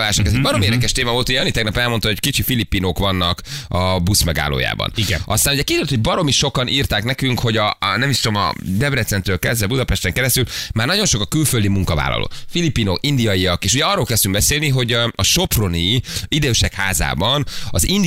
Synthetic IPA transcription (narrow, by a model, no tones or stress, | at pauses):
laːʃokɛzɛɟbɒɾo̞meːrd̪ɛkɛʃt̪eːmɒvolt̪uɟɛɒnit̪ɛɡnɒpɛlmo̞nt̪ɑo̞ckit͡ʃifilipːiːnoːkʋɒnːɒkɒbusmɛɡa̰ːlo̰ːja̰ːbɒ̰nʔɒst̪aːnuɟɛkid̪øːlt̪ho̞ɟ̚bɒɾo̞miʃo̞kɒniːrt̪aːknɛkyŋkho̞ɟɒnɛmiʃt̪omɒ̰d̪ɛbrɛt̪sɛnt̪ɾøːlkɛzvɛbud̪ɒpɛʃt̪ɛŋkɛɾɛst̪ylmaːrnɒɟo̞nʃo̞kɒkylføld̪imuŋkɒva̰ːlɒ̰lʔo̰ːfilipːiːnokind̪ijɒjiɒkeːʃuɟɛɒrːoːlkɛst̪yŋɡ̚bɛseːlniɦo̞ɟɒʃo̞pro̞niid̪øːʃɛkha̰ːza̰ːbɒnɒzin